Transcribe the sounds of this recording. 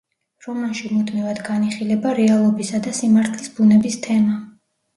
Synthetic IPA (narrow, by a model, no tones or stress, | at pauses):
ɾɔmanʃimud̪mivad̪ɡaniχilɛbaɾɛalˠɔbisad̪asimaɾt̪ʰlisbunɛbist̪ʰɛma